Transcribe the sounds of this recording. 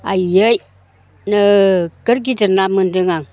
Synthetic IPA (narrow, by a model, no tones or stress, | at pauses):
a̰jej | nəkəɾɡ̬itənamɨndɨŋaŋ